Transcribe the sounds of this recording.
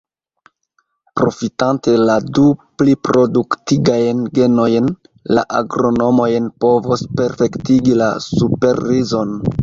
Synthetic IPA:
pɾo̞fitante̞laduplipɾo̞duktiɡajnɡe̞no̞jn | la̰ʔaɡɾo̞no̞mo̞jnpo̞vospe̞ɾfe̞ktiɡila̰supe̞ɾːizo̞n

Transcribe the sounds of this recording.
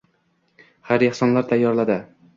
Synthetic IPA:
haɾehsɒnlaɾt̪ʰajːɒɾlad̪ɪ

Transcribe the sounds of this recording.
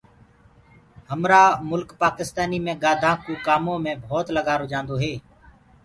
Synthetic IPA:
həmɾaːmʊlkpaːkɪst̪aːniːmẽːɡaːd̪ʱãːkjũːkaːmõːmẽːbʱoːt̪ləɠaːɾoːd͡ʒãːnd̪oːɦeː

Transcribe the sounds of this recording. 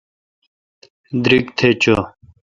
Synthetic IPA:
d̪ɾikt̪ʰet͡ɕo

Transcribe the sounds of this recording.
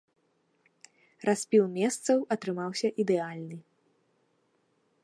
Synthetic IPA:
rasʲpʲilˠmʲɛst̪sɐwɐt̪ɾɨmawsʲɐʔid̪ɛalʲnɨ

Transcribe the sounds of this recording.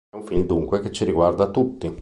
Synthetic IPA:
ɛuɱfild̪uŋkweket͡ʃːiɾiɡward̪at̪ːut̪ːi

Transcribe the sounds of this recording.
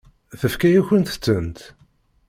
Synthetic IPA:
θəfkæjuçənt̪ə̥t͡sːənt̪

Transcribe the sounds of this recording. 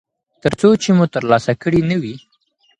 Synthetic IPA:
t̪əɾt͡sot͡ʃemut̪əɾlɑsakəɽinəwi

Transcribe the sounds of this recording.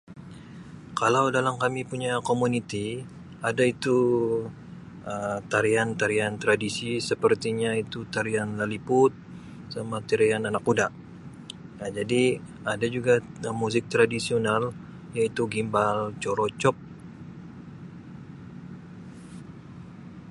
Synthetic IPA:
kalawdalamkamipuɲakomunit̪i | adait̪u | əmt̪aɾiant̪aɾiant̪ɾadisisəpərt̪iɲait̪ut̪aɾianlalipʊt̪̚ | samat̪iɾiananakudaʔ | nad͡ʒadi | adad͡ʒuɡamuzɪk̚t̪ɾadisional | jait̪uɡimbalt͡ʃɔɾot͡ʃɔp̚

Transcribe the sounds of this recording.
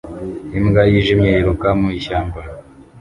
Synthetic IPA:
imɡajiʒimjeiɾukamuiʃaːmbaɾa

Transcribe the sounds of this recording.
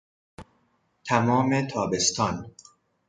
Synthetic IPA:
t̪ʰæmɒːmet̪ʰɒːbe̞st̪ʰɒːn

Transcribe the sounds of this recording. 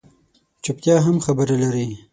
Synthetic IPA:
t͡ʃʊp̚t̪jɑɦamxabəɾalaɾi

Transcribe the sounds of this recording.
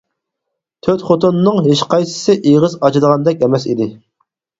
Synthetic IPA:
t̪ʰøt̪χot̪unːɨŋɦeʃqʰɑjsɨ̥sɨʔeʁəzɑt͡ʃɨd̪əʁɑnd̪ɛkʲɛmɛsid̪ɪ

